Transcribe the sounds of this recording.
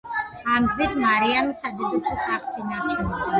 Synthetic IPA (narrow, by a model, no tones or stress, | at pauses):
amɡzit̪ʰmaɾiamisad̪id̪ut̪ʼut̪ʰaχt̪sʰinaɾt͡ʃʰɛmɔ